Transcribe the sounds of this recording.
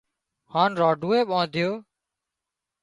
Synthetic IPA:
haːnɾaːɖʱuːeːɓãːd̪ʱɪjoː

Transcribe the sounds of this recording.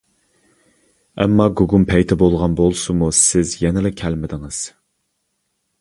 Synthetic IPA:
ɛ̰mːɑɡuɡumpʰɛjt̪ʰɛbolˠʁɑnbolˠsumusɪzjɛnɪlɪkʲʰælmɪd̪ɪŋɨz̥

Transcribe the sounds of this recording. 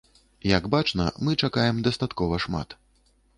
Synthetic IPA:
jɐɡbat͡ʂnɐ̰mɨt͡ʂakajɛmd̪ɐst̪at̪kɔvɐʂma̰t̪

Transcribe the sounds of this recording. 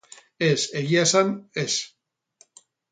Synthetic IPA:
e̞se̞ɣiasane̞s

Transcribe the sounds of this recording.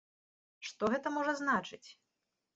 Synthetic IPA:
ʂt̪ɔɣɛt̪ɐmɔʐɐznat͡ʂɨt͡sʲ

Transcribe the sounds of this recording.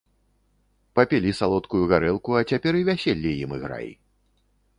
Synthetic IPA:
pɐpʲɛlʲisalˠɔt̪kujuɣaɾɛlˠkuɐt͡sʲapʲɛɾivʲasʲɛlʲːijimɨɣɾa̰jḭ

